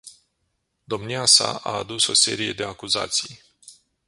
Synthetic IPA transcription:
d̪o̞mniasa̰ʔaːd̪uso̞se̞ɾije̞d̪e̞akuza̰t̪sij

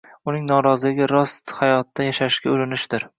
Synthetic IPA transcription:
ʊnɪŋnɒɾɒzɪlɪɡʲɪɾɒst̪hajɒt̪d̪ːajaʃaʃkʲaolɪnɪʃd̪̥ɪɾ

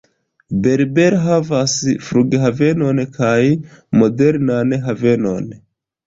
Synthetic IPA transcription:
be̞ɾbe̞ɾɦavasfɾuɡeɦave̞no̞nkʰajmode̞ɾnanɦave̞no̞n

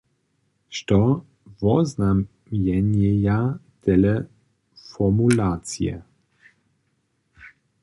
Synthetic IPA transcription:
ʃtɔ | vɔznam | jɛnjɛja | tʰɛlə | fɔmulat͡sjɛ̰

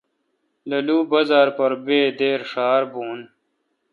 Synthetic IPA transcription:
lɐluːbɐzaːɾpɐɾbeːd̪eːɾʂaːɾbuːn

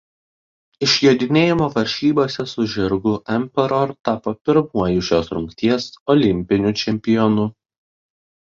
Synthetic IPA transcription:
ɪʃʲjoːd̪ʲɪnʲeːjɪmoːʋɐɾʲʃʲiːboːsʲɛsʊʒʲɪɾɡʊːʔɛmʲpʲɛɾɔɾt̪ɑːpoːpʲɪɾmuɔjʊʃʲoːsɾʊŋʲkt̪ʲiɛsɔlʲɪmʲpʲɪnʲʊt͡ʃʲɛmʲpʲɪjɔnʊ

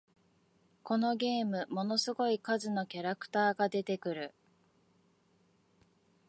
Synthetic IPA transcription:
ko̞no̞ɡʲe̞ːmɯ̟mo̞no̞sɨɡo̞ikazɨno̞kʲaɾakɯ̟̥t̪aːɡad̪e̞t̪e̞kɯ̟ɾɯ̟

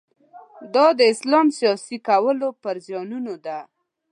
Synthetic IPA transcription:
d̪ɑd̪əɪslɑmsijɑsikawəlopəɾzjɑnunod̪a

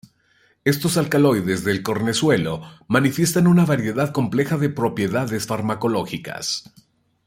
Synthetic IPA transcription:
e̞st̪o̞salkalo̞jðe̞zðe̞lko̞ɾne̞swe̞lo̞manifje̞st̪anunaβaɾje̞ðaðko̞mple̞xaðe̞pɾo̞pje̞ðaðe̞sfaɾmako̞lo̞xika̰s

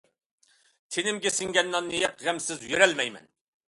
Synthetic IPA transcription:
t̪ʰenɪmɡʲesɪŋɡʲɛnːɑnːɨjɛqʁæmsɪzjøɾɛlmɛjmɛ̰n

